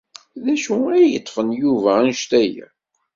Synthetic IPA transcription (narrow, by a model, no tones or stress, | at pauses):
ðæʃuæjət̪ˤːfənjuvænʃt̪æjæ̰